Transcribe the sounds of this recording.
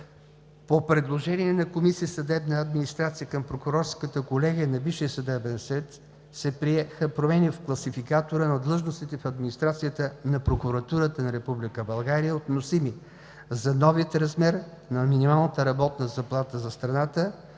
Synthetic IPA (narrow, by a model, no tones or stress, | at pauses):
popɾɛd̪lˠoʒɛniɛnɐkomisisɐd̪ɛbnəɐd̪minist̪ɾat̪sijəkəmpɾokʊɾɔɾskət̪əkolɛɡiənɐbiʃiəsɐd̪ɛbɛnsvɛt̪ | sɛpɾiɛxəpɾomɛnifklˠɐsifikat̪oɾənɐd̪lˠɤʒnost̪it̪ɛfɐd̪minist̪ɾat̪sijət̪ənɐpɾokʊɾɐt̪uɾət̪ənɐɾɛpublikəbɐlˠɡaɾijəot̪nosimi | zɐnɔviət̪ɾɐzmɛɾ | nɐminimalˠnət̪əɾɐbɔt̪nəzɐplˠat̪əzɐst̪ɾɐnat̪ə